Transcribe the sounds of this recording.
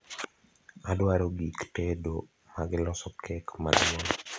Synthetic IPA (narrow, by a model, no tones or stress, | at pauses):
adwaɾoɡiktɛdo | maɡɪlɔsɔkʰɛkma̰dmɔn